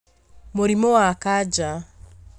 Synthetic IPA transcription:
muɾimɔwakad͡ʒa

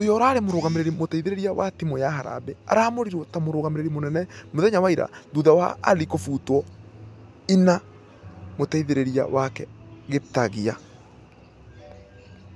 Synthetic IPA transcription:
ojɔɾaːɾemoɾoːɣameɾeɾimotaiðeɾeɾiawa̰timojaɦaɾa̰bea̰ɾamoɾiɾɔtamoɾoɣameɾeɾimonɛnɛmoðɛɲawaiɾa̰ðuðawa̰ːlikofutɔ | ina | motaiðeɾeɾia̰wakɛɣetaɣia

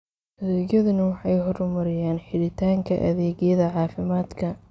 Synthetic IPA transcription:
ʔɐðɛːɣjɐðʊnɐwɑħɑjɦɔɾʊmɐɾɪjaːnħɪɽɪt̪ʰaːŋkʰɐ̰ʔɐ̰ðɛːɡjɐðɐʕɑːfɪmaːd̪kʰɐ

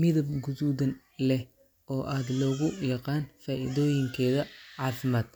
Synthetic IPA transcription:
mɪðɐbɡʊðuːðɐn | lɛh | ʔɔːʔaːd̪lɔːɣʊjɑqɑːnfaːʔɪ̰ðɔːjɪŋkʰɛːðɐʕɑːfɪmaːd̪̥

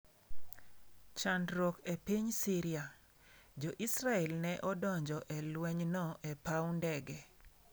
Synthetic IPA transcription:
t͡ʃandɾokepiɲsiɾia | d͡ʒoʔisɾaɛlnɛʔɔdɔɲd͡ʒɔʔɛlwɛɲnɔʔɛpawndɛɡɛ

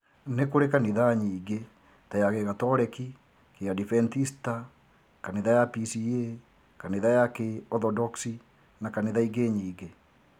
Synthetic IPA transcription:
nekoɾekaneðaɲiːɡe | tajaɣeɣatɔɾɛki | keadifɛntista | kaneðajapisie | kaneðajakeɔθɔdɔksi | nakaneðaiɡeɲiːɡe

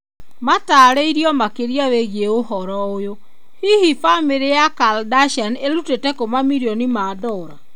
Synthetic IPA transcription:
mataːɾeiɾiɔmakeɾiaweɣieohɔɾɔojo | hihifameɾejakaldaʃaneɾutetɛkomamiɾiɔnimaːdɔɾa

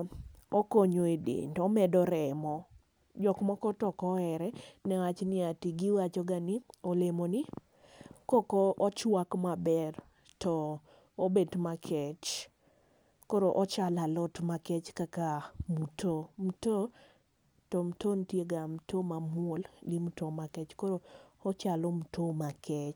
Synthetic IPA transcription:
okoɲoedḛndɔmɛdɔɾɛmɔ | d͡ʒɔkmɔkɔtɔkɔɛɾɛnɛwat͡ʃnɪatiɡɪwat͡ʃɔɡanɪolemonɪ | kɔkɔt͡ʃwakmabɛr | tɔ | obedmakʰɛt͡ʃ | koɾoʔɔt͡ʃalalɔtmakɛt͡ʃkakamutʰomto | tɔm̩tontjeɡam̩tʰomamuolɡimutomakɛt͡ʃkoɾoːt͡ʃalom̩tʰomakɛt͡ʃ

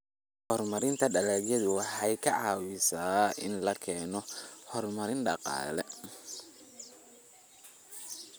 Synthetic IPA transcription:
hɔrmɐɾɪnt̪ʰɐɖɐlɛːɣjɛðʊwɑħɑjkʰɐʕɑ̰ːwɪsaːʔɪ̰nlɐkʰɛːnɔhɔrmɐɾɪnɖɑqɑ̰ːlɛ

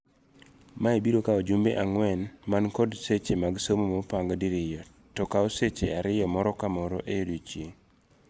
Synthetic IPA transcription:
maebiɾokaod͡ʒumbeʔaŋwɛnmankɔdset͡ʃemaɡsomomopaŋɡdiɾɪjɔ | tɔkaɔset͡ʃeaɾɪjɔmɔɾɔkamɔɾo̰ʔeodut͡ʃje

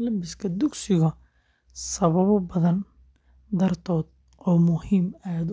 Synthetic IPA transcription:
lɐmbɪskʰɐd̪ʊɡsɪɣɐ | sɐβɐβɔbɐðɐn | d̪ɐrt̪ʰɔːd̪̚ | ɔːmʊhiːmaːd̪

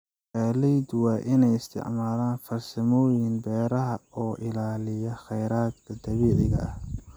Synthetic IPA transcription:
kaːlɛjd̪wɑːʔɪnɛjɪst̪ʰɪ̰ʕmaːlaːnfɐrsɐmɔːjɪnbɛːɾɐɦɐɔːʔɪlaːlɪjɐχɛjɾaːd̪kʰɐd̪ɐβiːʕɪɣɐ̰ʔɐh

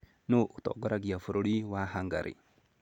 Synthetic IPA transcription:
nuʔut̪ɔ̰ɡɔɾaɡiafuɾuɽiwaɦaŋɡa̰ɾʔḭ

